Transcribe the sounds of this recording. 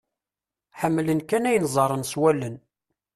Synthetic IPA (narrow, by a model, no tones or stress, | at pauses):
ħəmːlənkænæjənzˤɑɾˤənswælːən